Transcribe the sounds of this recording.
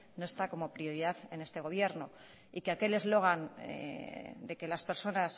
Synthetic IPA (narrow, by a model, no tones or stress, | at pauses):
noe̞st̪ako̞mo̞pɾio̞ɾiðaθe̞ne̞st̪e̞ɣ̞o̞β̞je̞ɾno | ikeake̞le̞zlo̞ɣ̞anḛd̪e̞ke̞laspe̞ɾso̞nas